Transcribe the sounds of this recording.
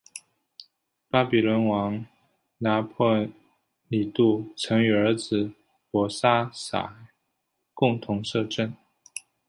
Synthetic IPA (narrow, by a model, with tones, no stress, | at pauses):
pa˥pi˨˩lwə˧˥nwɑ˧˥ŋ | na˧˥pʰwə˥˩ | li˨˩t̪u˥˩t͡sʰɤ˧˥ŋy˨˩ə˞˧˥d͡zɹ̩˨˩ | pwɔ˧˥sa˥sa̰˨˩˦ | kʊ˥˧ŋt̪ʰʊ˧˥ŋʂɤ˥˧ʈ͡ʂə˥˩n